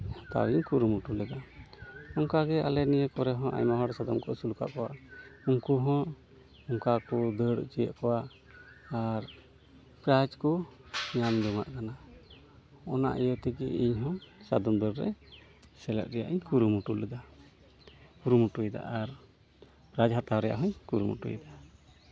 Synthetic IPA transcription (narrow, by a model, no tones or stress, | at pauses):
t̪a̰wiɲkuɾumuʈulɛd̪a | ɔŋkaɡɛa̰lɛnijəkɔɾɛɦɔ̃ʔa̰jɲmaɦɔɾɛsad̪ɔmkɔʔsuluka̰ʔkɔwaʔuŋkuɦɔ̃ | ɔŋkakɔd̪əɽt͡ʃijə̰ʔkɔwaʔː | ɾ | kɾat͡ʃkɔɲamd͡ʒ̪ɔŋa̰ʔkana | ɔna̰ʔijɔt̪ɛɡɛiɲɦɔ̃sad̪ɔmd̪əɽɾɛ̰ | sɛlɛ̰t̪̚ɾɛja̰ʔiɲkuɾumuʈulɛd̪a | kuɾumuʈujd̪a̰ʔaɾ | pɾad͡ʒɦat̪awɾɛja̰ʔɦɔɲkuɾumṵʈṵjd̪a